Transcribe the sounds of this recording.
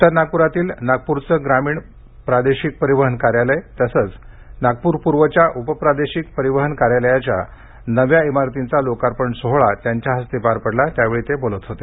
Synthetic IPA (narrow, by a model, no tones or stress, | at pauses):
t̪əɾnaɡ̚puɾat̪iːlnaɡ̚puɾt͡səːɡɾamiːɳ | pɾad̪eɕik̚pəɾiʋəɦənkaɾjaləet̪əsəːt͡s | naɡ̚puːɾpuɾʋət͡ɕjaʔupəpɾad̪eɕik̚pəɾiʋəɦənkaɾjaləjat͡ɕja̰ | nəʋjaemaɾt̪int͡salokaɾpəɳsoɦɭat̪jaɲt͡ɕjaɦəst̪epaɾpəɽlat̪jaʋeɭit̪ebolət̪ɦot̪e